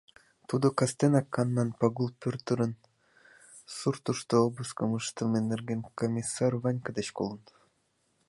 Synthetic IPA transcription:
t̪ud̪okast̪enakːanːɑnpaɡulˠpʲort̪ɯɾɯn | suɾt̪uʃt̪oobɨskɯmɯʃt̪ɯmenːerɡʲenkomʲisːarvanʲkad̪et͡ɕkolˠɯn

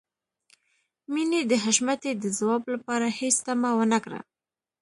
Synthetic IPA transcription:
mined̪əɦaʃmat̪ed̪əzawɑblapɑɾahest̪amawənakɽa̰

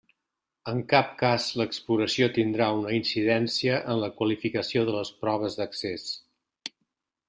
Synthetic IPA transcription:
əŋkap̚kazləkspluɾəsiot̪ind̪ɾaunəinsiðɛnsiəʔənləkwəlifikəsioðələspɾɔβ̞əzðəkses

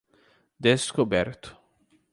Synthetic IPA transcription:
d̪eskopɛrt̪o̥

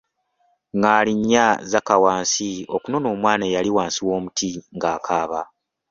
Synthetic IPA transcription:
ŋɡaːliɲːazakawaːnsiokuno̞no̞ːmwaːnajaliwaːnsiwo̞ːmutʰiŋɡaːkʰaːβa

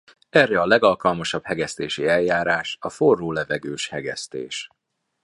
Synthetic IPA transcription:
ɛrːɛɒlɛɡɒlkɒlmɒʃɒb̥hɛɡɛst̪eːʃiɛljaːɾaːʃɒforːoːlɛvɛɡøːʃhɛɡɛ̰st̪ḛːʃ

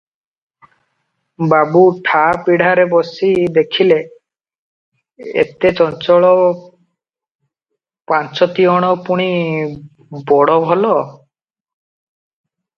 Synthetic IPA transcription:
babuʈʰapiɽ̤aɾebɔsid̪ekʰile | ḛt̪et͡ʃɔnt͡ʃɔɭɔ | pant͡ʃɔt̪iɔɽ̃ɔpuɽ̃i | bɔɽɔbʱɔlɔ

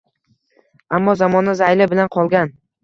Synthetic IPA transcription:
amːɒzamɒnɪzajlɪbɪlanqʰɒlˠɡʲan

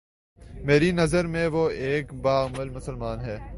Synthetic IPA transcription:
meːɾinɐzəɾmẽʋoːeːkbaːɣməlmʊsəlmaːnɦɛː

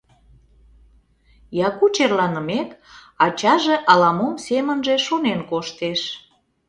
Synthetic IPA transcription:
jɑkut͡ɕerlɑnəmek | ɑt͡ɕɑʒeʔɑlɑmomsemənʒeʃonenkoʃt̪eʃ

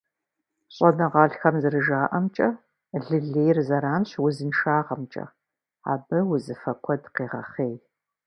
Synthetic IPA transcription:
ɕʼɔnɐʁɑːɬxɐmzɨrɨʒaːʔɐmt͡ʃʼɐ | ɮɨɮeːjrzɐɾaːmɕwʊzɨnʃaːʁɐmt͡ʃʼɐ̰ | a̰ːbɐwʊzɨfɐkʷʰɔdqeːʁɐ̰χeːj

